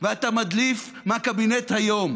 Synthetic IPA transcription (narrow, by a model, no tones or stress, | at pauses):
veat̪amad̪lif | mehakabinet̪hajo̞m